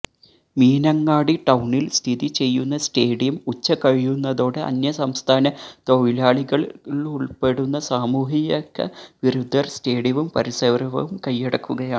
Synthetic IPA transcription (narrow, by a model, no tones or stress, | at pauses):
miːnɐŋːaːɽiʈɐwɳilst̪ʰiðit͡ɕe̞jːunːɐsʈe̞ːɽijɐmut͡ɕːɐkɐɻijunːɐðo̞ːɽeʔɐ̰njɐsɐmst̪ʰaːnɐt̪oʋilaːɭiɣɐɭiɭuɭpe̞ɽunːɐsaːmuːɦijɐkːɐ̰ʋiɾud̪ʱːɐrste̞ːɽijɐʋumpɐɾisɐʋrɐʋɐ̰ʋumkɐjːeɽɐkːuɣɐjaːɳɨ